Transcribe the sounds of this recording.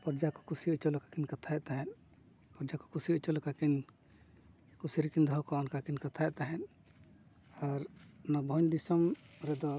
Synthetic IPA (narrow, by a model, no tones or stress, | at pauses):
pɔɾd͡ʒakɔ̥kusiut͡ʃɔlɔkḁkinkat̪ʰajɛʔt̪aɦɛn | pɔɾd͡ʒakɔ̥kusiut͡ʃɔlɔkakin | kusiɾkind̪ʱɔkɔnkakinkat̪ʰaɛʔt̪aɦɛn | aɾnabʱɔɲd̪isɔmɾɛd̪ɔ